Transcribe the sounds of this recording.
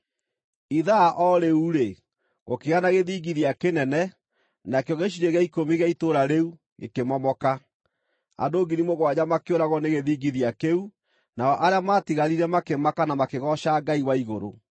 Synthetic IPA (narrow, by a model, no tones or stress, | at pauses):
iðaʔɔɾeuɾe | ɣokeɣanaɣeðiɡiðjakenɛnɛ | nakeɔɣeʃ̬iɾeɣaikomiɣaitoɾaɾeu | ḛkemɔmɔka | a̰ndoːɡinimoɣwaɲamakeoɾaɣwɔneɣeðiɡiðjakeu | naɔʔaɾeamaːtiɣaɾiɾɛmakemakanamakeɣɔʃaɡaiwaiɣoɾo̰